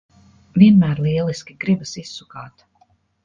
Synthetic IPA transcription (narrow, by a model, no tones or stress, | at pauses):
vʲiɛnmæːɾlˠiɛlˠiskʲiɡɾibasisːukaːt̪